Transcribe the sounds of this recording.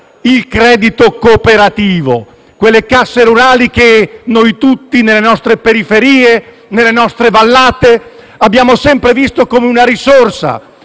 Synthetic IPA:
ilkɾɛːd̪it̪okopeɾat̪iːvo̰ | kwelːekasːeɾuɾaːlik̟enojt̪ut̪ːinelːenɔst̪ɾepeɾifeɾiːe | nelːenɔst̪ɾevalːaːt̪e | abːjaːmosɛmpɾevist̪okomeunaɾisorsa̰

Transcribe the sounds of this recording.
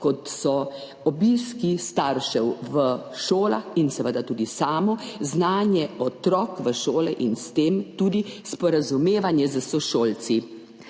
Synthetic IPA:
kɔt̪sɔ | ɔbiːskist̪aɾʃɛwʋəʃoːlaxinsɛʋəd̪at̪uːd̪isaːmɔznaːnjɛɔt̪ɾɔːkʋəʃoːlɛʔinst̪eːmt̪uːd̪ispɔɾazumeːʋanjɛzəsɔʃoːlt̪t͡s̪i

